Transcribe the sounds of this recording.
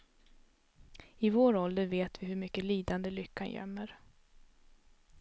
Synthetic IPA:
ɪvoːɾɔld̪əɾveːt̪vɪɦɵɾmʏkːəliːd̪and̪əlʏkʰːanjœ̰mːəɾ

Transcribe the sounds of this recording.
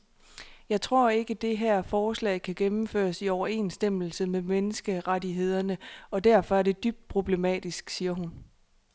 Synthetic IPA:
jɑ̈ɪt͡sʰʁo̝ɐ̰e̝ɡ̥əd̥e̝ɦæɐ̰fɒːslɛ̰ɪkʰæɡ̥emm̩fø̰ːɐsiɒʊɐe̝̰ːnsd̥em̰l̩səmemenəsɡ̥əʁadiɦe̝ð̞̰ˠɐnəɒ̽d̥æɐ̰fɒ̽æɐde̝d̥yb̥̚d̥̚pʰʁo̝b̥le̝mɛ̰ːd̥isɡ̥siːɐɦun

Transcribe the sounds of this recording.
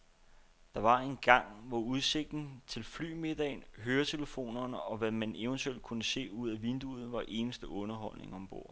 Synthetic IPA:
d̥ɑ̈ʋɑ̈e̝nɡ̥ɑ̈ŋ̰ʋɒuð̞ˠse̝ɡ̥̚d̥n̩t͡sʰe̝lfly̰ːme̝d̥ɛɪnɦøːɐt͡sʰe̝ləfo̝̰ːnɐnəɒ̽ʋæmæne̝ʊənt͡sʰuel̰d̥̚kʰunəse̝̰ːuð̞̰ˠæʋend̥uð̞̩ˠʋɑ̈ʔe̝ːnəsd̥əʔɔ̽nɐɦɒ̽l̰ne̝ŋɒ̽mb̥o̝ɐ̰

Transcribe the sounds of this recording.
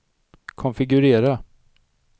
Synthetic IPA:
kʰɔnfɪɡɵɾeːɾa

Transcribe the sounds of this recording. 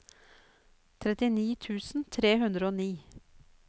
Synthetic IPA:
t̪ʰɾɛt̪ɪniːt̪ʰʉːsn̩t̪ʰɾeːɦʉnd̪ɾəoːniː

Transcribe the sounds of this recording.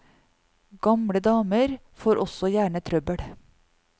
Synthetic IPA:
ɡ̥ɑmɽəd̪ɑːməɾ | foːɾʔɔsɔjæːɳət̪ʰɾœbəɽ

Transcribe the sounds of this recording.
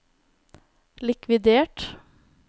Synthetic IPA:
lɪkʰʋɪd̪eːʈ

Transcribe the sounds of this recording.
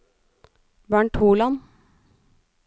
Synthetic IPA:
bæːɳʈʰuːlɑn

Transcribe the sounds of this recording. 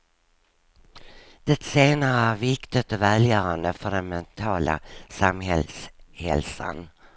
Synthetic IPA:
d̪̥ɛt̪seːnaɾəæɾvɪkt̪ɪt̪ɔvɛljœːɾand̪əfœɖɛnmɛnt̪ʰɑːla̰samhɛlshɛ̰lsa̰n

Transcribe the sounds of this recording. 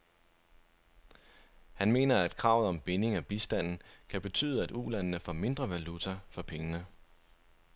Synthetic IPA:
hænme̝̰ːnɐæd̥kʰʁɑ̈ʊð̞̩ˠɒ̽mb̥e̝ne̝ŋæb̥isd̥æn̰n̩kʰæb̥e̝t͡sʰy̰ːð̩ˠæd̥ulænnəfɒ̰me̝nd̥ʁɐʋælut͡sʰɐfɒ̽pʰeŋənə

